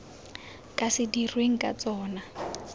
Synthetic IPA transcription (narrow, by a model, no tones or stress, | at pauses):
kʼasɪdirweŋ̩kʼa̰t͡sɔːna